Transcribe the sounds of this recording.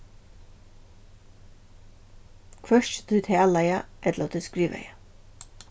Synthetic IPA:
kʰvœɹt̪ʰujt̪ʰæːlajaʔɛt̪lat̪ʰʏskɾiːʋa̰ja

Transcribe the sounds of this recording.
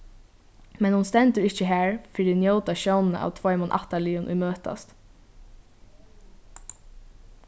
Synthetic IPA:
mɛnhʊnst̪ɛnt̪əɾɪht͡ʃəɦæːɹfɪɾinjowt̪aʃownnə̰ʔa̰ːwt̪ʰvɔjmʊnʔa̰ht̪alɪːʊnʔṵjmøːt̪a̰st̪

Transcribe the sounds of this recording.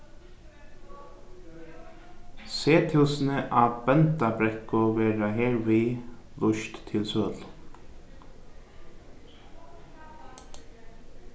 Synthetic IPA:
seːt̪ʰɪlsnəʔabɛnt̪abɾɛhkʊʋɛːɾaɦeːɾvilʊʃt̪tʰːɪlsœːl

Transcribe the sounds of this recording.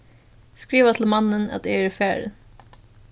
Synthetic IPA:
skɾiːvat̪ʰɪlmanːəna̰t̪ææɾfæːɾ

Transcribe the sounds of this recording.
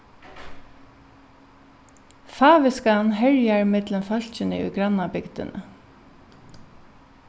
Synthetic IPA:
faːʋɪskanɦɛɹjaɹɪmɪt̪ləmfœl̥t͡ʃɪnə̰ṵːɡɾanabɪkd̪̥ə̰nə̰

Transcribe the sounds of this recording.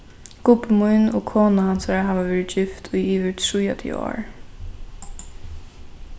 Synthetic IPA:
kʊpəmʊjnɔkʰoːnahansaɾaɦaːʋaʋɛːɾɪt̪d͡ʒɪft̪ʰʊjiːʋɪt̪ʰɾujat̪ʰḭɔ̰ːɹ

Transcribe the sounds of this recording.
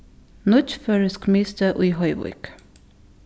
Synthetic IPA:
nɔt͡ʃføːɹəskmiːst̪əʔʊhɔɪʋʊ̰k

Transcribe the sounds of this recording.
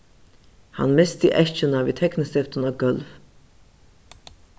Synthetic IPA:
ha̰nmɪst̪iʔɛʃt͡ʃɪnaviːt̪ʰɛknɪst̪ɪft̪ənɔɡœlv

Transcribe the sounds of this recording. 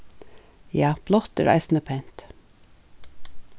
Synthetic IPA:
jɑːb̥lɔt̪ə̰ːɾʔɑ̰ɪsnəpʰæɪnt̪

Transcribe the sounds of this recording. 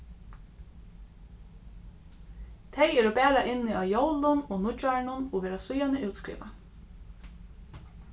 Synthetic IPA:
t̪ʰejɛːɾɔbæːɾaʔɪnːɪʔaːjowlʊnoːnʊt͡ʃaɹɳʊnɔʋɛːɾasʊjanəʔuwt̪skɾḭːʋa̰

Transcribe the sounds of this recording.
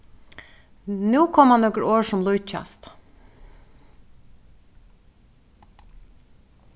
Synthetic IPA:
nuːkʰɔmhanːɔkɾoːʂɔmlʊjt͡ʃa̰st̪

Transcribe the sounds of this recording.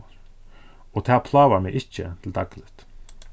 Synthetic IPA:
aɾ | ɔt̪ʰaːðpʰlaːvaɾmɛɣʔɪhcːə̰t̪ʰɪld̪aklɪht̪

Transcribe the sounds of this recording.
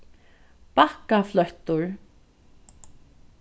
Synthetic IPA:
pahkaflœht̪ʊɹ

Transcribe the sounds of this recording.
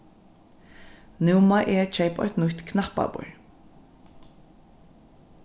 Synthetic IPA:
nɪwmaʔɛt͡ʃʰɛjpɔ̰ʏt̪nʊçt̪kʰnapa̰bʊ̰ɹ

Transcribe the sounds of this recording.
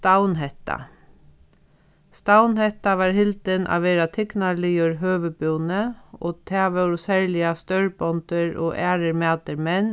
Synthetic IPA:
t̪awnɦɛht̪a̰ | st̪awnhɛt̪aʋɑːɾhɪlt̪ɪnʔa̰ʋʋeːɾat̪ʰɪknaliɔɾɦøːʋəboːwnəo̰ːt̪ʰæːʋɛwɾʊsɛɹlɪast̪œɹbɔnt̪əɹoːʔæːɾəɾmæːt̪əɾmɛn

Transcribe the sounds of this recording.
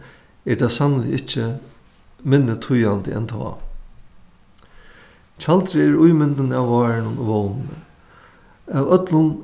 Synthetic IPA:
ɛɾt̪ʰasanlɪ̰ɪt͡ʃːɪ | mɪnːɪt̪ʰʊjant̪ɪɛ̰nt̪ʰɔ̰ː | t͡ɕʰalt̪ɾɪɛɾʊjmɪnt̪ɪnawːɑːɹɪnʊnoʋɔwnɪnə̰ | awœt̪lʊn

